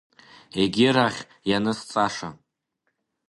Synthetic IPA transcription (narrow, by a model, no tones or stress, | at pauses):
e̞ɡʲɪɾaχʲ | janɨst͡sʼaʂa̰